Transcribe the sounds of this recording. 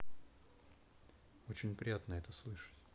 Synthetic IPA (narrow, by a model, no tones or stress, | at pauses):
ot͡ɕɪnʲpɾʲɪjat̪nəɛt̪əslˠɨʂə̥tʲ